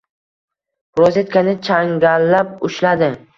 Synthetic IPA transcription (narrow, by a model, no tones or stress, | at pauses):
ɾɒzʲet̪̚kʰanɪt͡ʃʰaŋɡʲalːap̚ʊʃlad̪ɪ